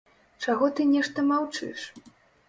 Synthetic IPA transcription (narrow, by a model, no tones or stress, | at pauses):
t͡ʂaɣɔt̪ɨnʲɛʂt̪ɐmawt͡ʂɨ̰ʂ